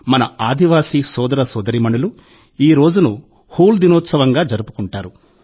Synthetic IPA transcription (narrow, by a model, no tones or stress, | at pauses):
mɐnɐaːd̪ʱiʋaːsisɔːd̪ɐɾɐsɔːd̪ɐɾimɐnulu | iːɾo̞ːd͡ʒunu | huːld̪inɔːt̪sɐʋɐŋɡaːd͡ʒɐɾupu̥kuɳʈaːɾu